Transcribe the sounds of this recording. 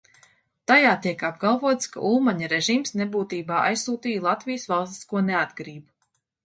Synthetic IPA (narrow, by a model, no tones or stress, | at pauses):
t̪ajaːt̪iɛkab̚ɡalˠvuɔt̪ska̰ʔulˠmaɲaɾeʒiːmsnebuːt̪iːbaːʔa̰jssuːt̪iːjlˠat̪vijəsvalˠst̪i̥skuɔnead̪ɡɾiːb